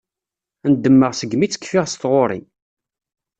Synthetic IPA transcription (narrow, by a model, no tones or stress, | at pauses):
ænd̪ːəmːəʁsəɡmit͡sːə̥kːfiʁst̪ʁoɾˤḭ